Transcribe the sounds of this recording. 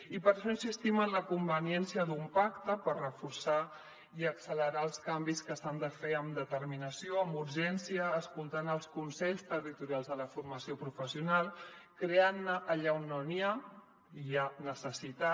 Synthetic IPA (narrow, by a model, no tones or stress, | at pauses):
ipəɾʃensist̪imənləkumbəniɛnsiəðumpakt̪əpərrəfuɾsa | iəksələɾaəlˠskambiskəsand̪əfeəmd̪ət̪əɾminəsioəmbuɾʒɛnsiəːskulˠt̪anəlˠskunsɛʎst̪ərit̪uɾialˠzðələfuɾməsiopɾufəsiunalˠ | kɾeanːəʔːʎaonːonia | ianəsəsit̪a